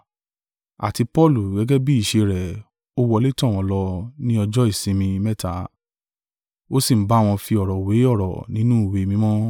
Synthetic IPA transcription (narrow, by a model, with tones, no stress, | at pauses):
a̰˨ti˧pɔ˦˨lu˨ɡɛ˨˦ɡɛ˦bi˦i˦˨ʃe˧ɾɛ˨ | o˦wɔ˧˦le˦tɔ̃˦˨w̃ɔ̃˧lɔ˧nĩ˦ɔ˧d͡ʒɔ˦i˦˨sĩ˧mĩ˧mɛ˦ta˨˦ | o˦si˦˨m̩˦ba˦˨w̃ɔ̃˧fi˧ɔ˨ɾɔ˨we˨˦ɔ˦˨ɾɔ̰˨nĩ˨˦nũ˦˨we˧˨mĩ˦mɔ̃˦